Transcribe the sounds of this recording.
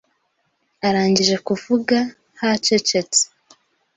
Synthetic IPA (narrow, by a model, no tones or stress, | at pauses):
aɾaːɲɟiʒe̞kuvuɡa | hat͡ʃet͡ʃe̞t͡se̥